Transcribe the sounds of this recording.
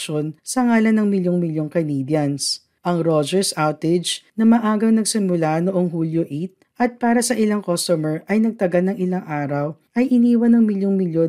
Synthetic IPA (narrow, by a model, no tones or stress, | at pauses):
ʃonsɐŋaːlɐnɐŋmɪljoŋmɪljoŋkɐniːd̪jɐns | ʔɐŋɾod͡ʒɛɹsʔawt̪ɪd͡ʒnɐmɐʔaːɡɐwnɐɡ̚sɪmʊlanoʔoŋɦuljoʔit̪̚ʔɐt̪̚paːɾɐsɐʔɪlaŋkost̪ɔmɛɹʔɐjnɐɡ̚t̪ɐɡɐlnɐŋʔɪlaŋʔaːɾɐwʔɐjʔɪniːwɐnɐŋmɪljoŋmɪljo